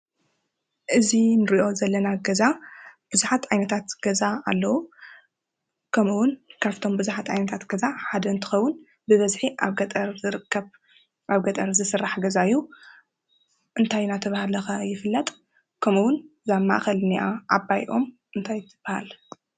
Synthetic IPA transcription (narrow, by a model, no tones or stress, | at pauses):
ʔɨzinɨɾiʔo̞zɐlːɐnaɡɐzab̥ɨzuħat̪ʕajnɐt̪ʰat̪ɡ̥ɐzaa̰lːɐwu | kʰɐmuwʊnkʰaft̪ʰo̞mbɨzuħat̪ʕa̰jnɐt̪ʰat̪ɡ̥ɐzaħad̪ɐɨnt̪ʰɨ̥xɐwːʊn | bɨβɐzħiʔaβɡɐt̪ʼɐɾzɨɾɨkʰːɐβ | ʔaβɡɐt̪ʼɐɾzɨsɨrːaħɡɐzajːu | ʔɨnt̪ʰajnat̪ʰɐβahalɐxɐjɪfɨlːɐt̪ʼ | kʰɐmuwʊn | zamːa̰ʔxɐlniʔaʔabajʔo̞m | ʔɨnt̪ʰajt̪ʰɨb̥aha̰l